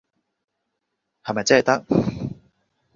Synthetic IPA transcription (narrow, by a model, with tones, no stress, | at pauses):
hɐ˨mɐ˨jt͡sɐ˥hjt̪ɐ˥k̚